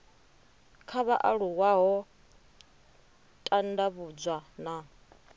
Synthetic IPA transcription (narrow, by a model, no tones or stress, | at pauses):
kʰaβaʔaɺuwaɦɔ | tʼandaβud͡zʷwana